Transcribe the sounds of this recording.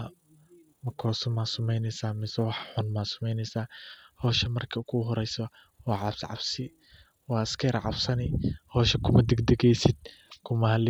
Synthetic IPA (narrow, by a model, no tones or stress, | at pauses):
mɐkʰɔːsɔmasʊmɛjnɛsaːmɪsɐwɑħħʊnmaːsʊ̥mɛjnɛsaːhɔːʃɐmɐrkʰɐkʰʊɦɔɾɛjsɔ | wɑːʕɑbsʕɑ̰bsɪ | wɑːɪskʰɛɾʕɑ̰bsɐnɪhɔːʃɐkʰʊmɐd̪ɛɡd̪ɛɡɛjsɪd̪̚ | kʰʊmɐhɐl